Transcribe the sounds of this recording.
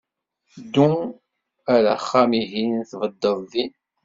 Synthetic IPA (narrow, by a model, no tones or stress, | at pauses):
d̪u | æɾaχːamiɦinθvəd̪ːəðˤðin